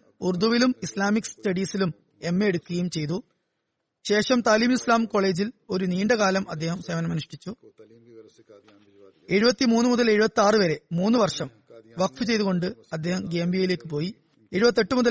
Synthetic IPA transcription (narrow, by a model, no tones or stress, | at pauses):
urd̪uʋilumislaːmikstɐɽiːsilum | e̞mːeeɽukʲːɣɐjumt͡ɕe̞jt̪u | ɕe̞ːʂɐmt̪aːliːmilislaːmko̞ɭe̞ːd͡ʑilo̞ɾuniːɳɖɐɣaːlɐmɐd̪ːe̞ːhɐmsemɐnɐmɐniʂʈit͡ɕːu | e̞ɻubɐt̪ːimuːnːɨmuðɐle̞ɻubɐt̪ːiaːrɨʋɐɾe̞muːnːɨʋɐrʂɐm | ʋɐkfɨt͡ɕe̞jðuɣo̞ɳɖɨɐd̪ːe̞ːhɐmɡeːmbijile̞ːkːɨpo̞ːji | e̞ɻubɐt̪ːe̞ʈːɨmuðɐ